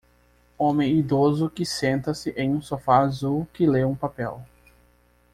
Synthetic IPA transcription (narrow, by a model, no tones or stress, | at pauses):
õmẽj̃id̪ozʊkɪsẽnt̪ɐsɪʔẽj̃ũsofaːzuwkɪleũpapɛ̰w